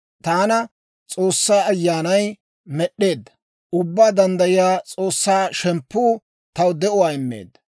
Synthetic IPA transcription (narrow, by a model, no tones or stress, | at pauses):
t̪aːnɐ | t͡sʼo̞ːsːaːɐjːaːnɐj | mɛɗːe̞ːd̪ːɐ | ʔʊbːaːd̪ɐnd̪ɐjɪjaːt͡sʼoːsːaːʃɛmpːuː | t̪ɐwd̪ɛʔʊwaːɪmːḛːd̪ːɐ